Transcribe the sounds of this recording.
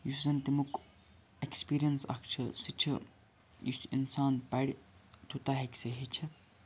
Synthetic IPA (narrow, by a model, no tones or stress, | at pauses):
jussɐnt̪imuk | ekspiɾijɐnsɐ̰kʰt͡ʃʰɐsit͡ʃʰɐ̰ | jusḭnsaːnpɐɽʲit̪ʰut̪aːɦekseɦit͡ʃʰɐ